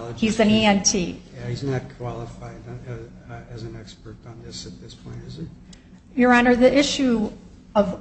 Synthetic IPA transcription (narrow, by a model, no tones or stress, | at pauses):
hizɨ̃niɛ̃ntʰijhiznɨt̚kʰw̥ɑlˠəfaɪd | ɨzɨ̃nɛkspə˞ɾn̩ðɪsɨt̪̚ðɪspʰɔ̃ɪ̃ntɨzə | jə˞ɑ̃nə˞ðiʔɪʃʉ | ʌv